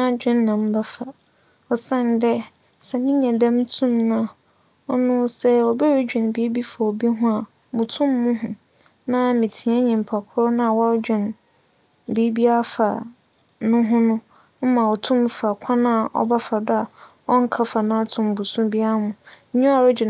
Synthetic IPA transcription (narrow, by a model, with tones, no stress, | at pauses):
nã˦˨˦d͡ʑᶣɪ̃˦nː˦ã˨m̩˦ba˦fa˨ | ɔ˨sã˦˨n˨dɛ˦ | sɛ˨mɪ̃˦ɲã˨dã˦m˦tʰũ˦mnã˦ | ɔ˦nʊ̃˦sɛ˦ɔ˨bɛ˦ɾe˦d͡ʑᶣɛ̃˨nbi˦bi˦fa˨ɔ˨bi˦ɦʊ̃˦a˨ | mʊ̃˨tʰʊ̃˦mː˦ʊ̃˦ɦʊ̃˨ | nã˦mɪ̃˨tʰĩ˨˦a˦ɲĩ˨m̩˨pʰa˨kʰʊ˦ɾʊ˦nã˦˨wɔ˦ɾd͡ʑᶣɛ̃˨n | bi˦bi˦a˦fa̰˨ | nʊ̃˦ɦʊ̃˦nʊ̃˦ | m̩˦mã˨ɔ˨tʰʊ̃˦m˦fa˨kʷʰa˦nã˦˨ʔɔ̰˦ba˦fa˨dʊ˦a˨ | ɔ˦ŋ̩˦kʰa˦fa˨nã˦a˦tʰʊ̃˨m˨bu˨sʊ̃˦bi˦a˦mʊ̃˨˦ɲũ˦a˨ɾɪ˦d͡ʑᶣɪ˨